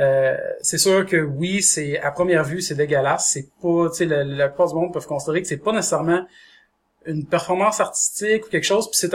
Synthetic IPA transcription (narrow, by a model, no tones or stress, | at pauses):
øsɛsyːʁkəwisɛapχəmjɛːʁvysɛd̪eɡʲəlasːɛpʌt͡selalaply̥paːʁdzymɔ̃d̪̚pœv̥kɔ̃sid̪eʁekə̥sɛpɔnese̥sɛʁmɑ̃ | ynpɛʁfɔʁmɑ̃saʁt̪i̥st̪ɪku̥kʲɛlkʃɔʊzpi̥set̪